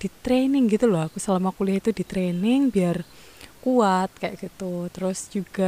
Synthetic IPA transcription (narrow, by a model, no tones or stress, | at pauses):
d̪̥it̪ɾenɪŋɡit̪ulɔakusəlamakulɪhit̪udi̤t̪ɾenɪŋbiar | kuat̪̚kajʔɡ̥it̪ut̪əɾʊsd͡ʒ̥uɡ̥a